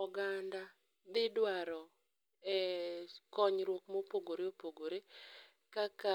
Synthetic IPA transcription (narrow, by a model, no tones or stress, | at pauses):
ɔɡanda | d̪ɪdwaɾɔ | ɛ | kɔɲɾwokmopoɡoɾeopoɡoɾe | kaka